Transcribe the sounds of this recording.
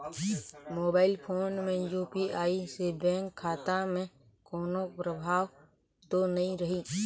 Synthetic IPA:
moːbaːɪlpʰoːnmẽjuːpiʔaːisebɛ̃ːŋkʰːaːt̪amẽ | koːnopɾəbʱaːʋ | t̪onɐĩɾəɦi

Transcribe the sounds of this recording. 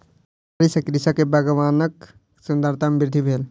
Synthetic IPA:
ɐɾisɐkɾisɐkebɐɡəʋaːnək | sund̪əɾt̪ʰɐmbiɾd̪ʱibʱeːl

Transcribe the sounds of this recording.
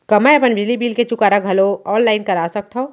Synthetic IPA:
kɐmaɐpənbilibiːlket͡ʃʊkaːɾaɡʱɐloɔːllaːɪnkɐɾaːsɐk̚t̪ʰɦo

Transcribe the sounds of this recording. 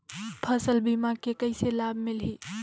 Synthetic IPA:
pʰəsəlbimakekəɪselabʱmɪlɦi

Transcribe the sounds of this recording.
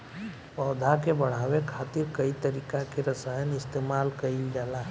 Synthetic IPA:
pɔːd̪ʱakebəɽ̤aːʋekʰaːt̪ɪɾkəit̪əɾiːkakeɾəsaːjənɪst̪eːmaːlkəid͡ʒalaɦɛ

